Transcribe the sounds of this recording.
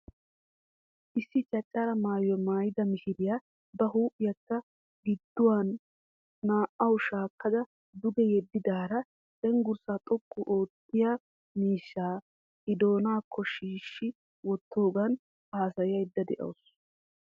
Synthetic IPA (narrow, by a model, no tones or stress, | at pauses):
ʔɪsːɪt͡ʃʼɐt͡ʃʼːaɾɐmaːjɔmaːjɪd̪ɐmɪhɪɾɪjaː | bɐɦuːʔɪjɐt̪ːɐ | ɡɪd̪ːʊwanː | aːʔɐwʃaːkːɐd̪ɐ | d̪ʊɡɛjɛd̪ːɪd̪aːɾɐ | d̪ɛŋɡʊɾsaːt̪ʼɔkʼːʊʔoːt̪ːɪja | miːʃːaː | ʔɪd̪o̞ːnaːkʰːɔʃiːʃːɪ | wɔt̪ʰːo̞ːɡɐn | aːsɐjɪjɐjd̪ːɐd̪ɛ̰ʔɐ̰ws